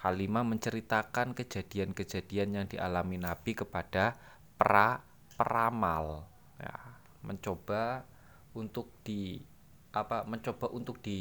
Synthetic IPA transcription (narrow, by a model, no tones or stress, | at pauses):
halimaməɲt͡ʃəɾit̪akankəd͡ʒa̤d̥iankəd͡ʒa̤d̥ianjaŋdiʔalaminab̥ikəpad̥a | pɾa | pɾamal | ja̰ | məɲt͡ʃob̥a | unt̪ʊk̚d̥i | ʔapaməɲt͡ʃob̥aʔunt̪ʊk̚d̥i